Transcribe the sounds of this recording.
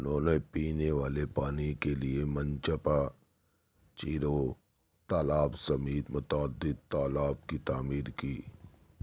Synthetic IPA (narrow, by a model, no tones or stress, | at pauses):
ʊnõːnepiːneʋaːlepaːnikeliemɐ̃nt͡ʃəpa | t͡ʃiːɾo | t̪aːlaːbsɐmiːt̪mʊt̪aːd̪ːɪd̪̚t̪aːlaːb̚kit̪aːmiːɾkiː